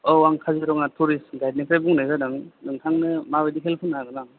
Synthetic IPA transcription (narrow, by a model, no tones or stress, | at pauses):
ɔwaŋkʰazeɾɔŋatʰuɾisɡajd̚nikʰɾajbuŋnajzadɯŋdɯŋtʰaŋnɯmawediɦelpʰɯnaɡɯnaŋ